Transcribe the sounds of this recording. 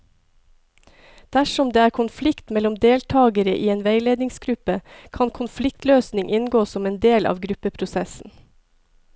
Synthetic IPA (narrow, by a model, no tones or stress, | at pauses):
d̪̥æʃɔmd̪eːæːɾkʰʊnflɪkt̪mɛlɔmd̪eːlt̪ʰɑːɡəɾəʔiːeːnʋeɪleːd̪nɪŋsɡɾʉpəkʰɑnkʰʊnflɪk̚t̪løːsnɪŋʔɪnɡoːsɔmeːnd̪eːlʔɑ̰ːʋɡɾʉpəpʰɾʊsɛsn̩